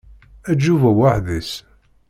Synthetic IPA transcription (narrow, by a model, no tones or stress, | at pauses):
æd͡ʒːuvæwaħðis